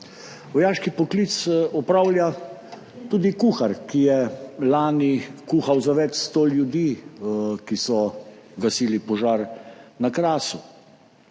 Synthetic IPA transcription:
ʋɔjaːʃkipɔklit̪sɔpɾawlja | t̪uːd̪ikuːxaɾkijɛlaːnikuːxawzaʋɛt͡ʃst̪oːljud̪i | kisɔɡasiːlipɔʒaːɾnakɾaːsu

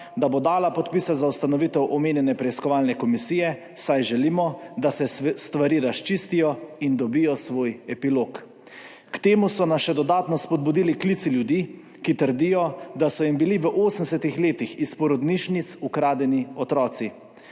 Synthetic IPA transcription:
d̪abod̪aːlapɔt̪piːsɛzaust̪anɔʋit̪ɛwʔɔmeːnjɛnɛpɾɛiskɔʋaːlnɛkɔmisiːjɛ | sajʒɛliːmɔd̪asɛst̪ʋaɾiːɾast͡ʃist̪ijɔind̪ɔbijɔsʋoːjɛpiloːk | kt̪eːmusɔnasʃɛd̪ɔd̪aːt̪nɔspɔd̪̚bud̪iliklit̪siljud̪iː | kit̪əɾd̪ijɔd̪asɔimbiliʋəʔoːsən̩ɛsɛt̪ixleːt̪ixispɔɾɔd̪niʃnit̪sukɾaːd̪ɛniɔt̪ɾɔːt̪si

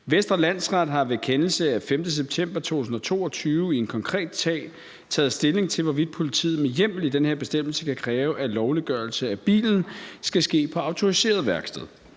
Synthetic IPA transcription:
ʋesd̥ʁɐlæn̰sʁɑ̈d̥ɦɑ̈ʋekʰenl̩səæfemd̥əs̬eb̥̚t͡sʰem̰b̥ɐt͡sʰo̝̰ːusn̩ɒ̽t͡sʰo̝̰ːɒt͡sʰyːʊəienkʰɒ̽ŋkʰʁɛ̰ːd̥sʰɛ̰ː | t͡sʰɛ̰ːð̩ˠsd̥e̝le̝ŋt͡sʰe̝lʋɒʋid̥̚pʰo̝lit͡sʰḭːð̩ˠmejem̰l̩id̥enhe̝ɐb̥e̝sd̥em̰l̩səkʰækʰʁɛːʊʔælɒʊliɡ̥ɶɐlsəæb̥ḭːln̩sɡ̥æsɡ̥e̝̰ːpʰɒ̽ɑ̈ʊt͡sʰo̝ʁise̝̰ːɐðˠʋæɐɡ̥sd̥ɛðˠ

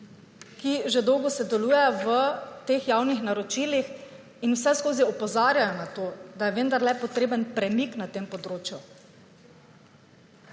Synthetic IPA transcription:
kiʒed̪ɔwɡɔsɛd̪ɛluːjɛjɔʋət̪eːxjawnixnaɾɔt͡ʃiːlix | inwsɛskoːziɔpɔzaːɾjajɔnat̪oːd̪ajɛʋənd̪aɾlɛpɔt̪ɾeːbənpɾɛmiknat̪eːmpɔd̪ɾoːt͡ʃju

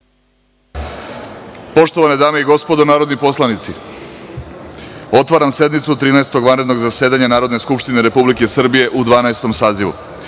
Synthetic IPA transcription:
po̞ʃt̪o̞ʋaned̪aːmeiɡo̞spo̞d̪o̞naːɾod̪nipo̞slˠanit̪si | o̞t̪ʋaɾamse̞d̪mit̪sut̪ɾiːnaest̪o̞ɡʋanɾe̞d̪no̞ɡzase̞ːd̪aɲanaːɾod̪ne̞skupʃt̪ineɾe̞publike̞sr̩bije̞ʔud̪ʋaːnaest̪o̞msaːziʋṵ

